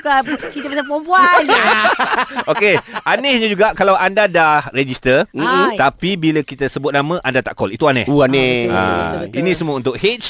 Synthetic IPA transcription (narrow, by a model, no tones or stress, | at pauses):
kakit̪əbasapobuan | okeʔanɛhɲãd͡ʒuɡaʔkalawʔandadahred͡ʒist̪ər̩t̪apibiləkit̪asəbʊt̪̚namə̃ʔandat̪aʔkɔlit̪uanɛ̰hanɛa̰inĩsəmũəunt̪ʊk̚het͡ʃ